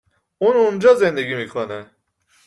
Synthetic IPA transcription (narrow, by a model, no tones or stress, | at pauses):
unund͡ʒɔzend̪eɡimikʰonɛ